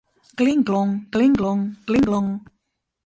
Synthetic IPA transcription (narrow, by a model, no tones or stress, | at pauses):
kliŋɡlɔŋkliŋklɔŋkliŋklɔŋ